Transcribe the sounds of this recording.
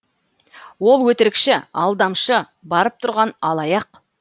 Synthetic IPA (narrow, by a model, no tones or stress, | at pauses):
wo̞lˠwɵt̪ɪɾɪkʃɪɑlˠd̪ɑmʃə | bɑɾəp̚t̪ʰʊɾʁɑnɑlˠɑjɑq